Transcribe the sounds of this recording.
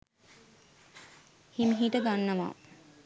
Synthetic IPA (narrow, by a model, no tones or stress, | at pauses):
himɦiʈəɡanːəʋa̰ː